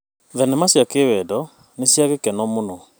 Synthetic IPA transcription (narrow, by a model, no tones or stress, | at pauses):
ðɛnɛmasjakewɛdɔ | nesjaɣekɛnɔmonɔ